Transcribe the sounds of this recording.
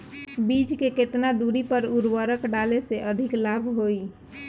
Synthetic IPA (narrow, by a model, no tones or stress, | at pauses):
bid͡ʒkeket̪nad̪uɾipəɾuɾwəɾəkɖaleseʔəd̪ʱɪklabʱɦoi